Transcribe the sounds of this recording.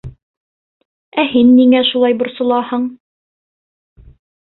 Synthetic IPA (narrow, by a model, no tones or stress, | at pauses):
æhinːiŋæʃulˠɑjbŏɾsɤ̆lˠɑhɤɴ